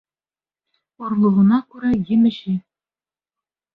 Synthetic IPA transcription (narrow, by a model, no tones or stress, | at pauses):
ŏɾlˠŭʁɤ̆nɑkʉɾæjɘ̆mɘ̆ʃɘ